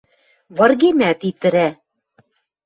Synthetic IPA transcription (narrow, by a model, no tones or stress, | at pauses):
βɤ̆rɣemæt̪it̪ɘ̆ɾæ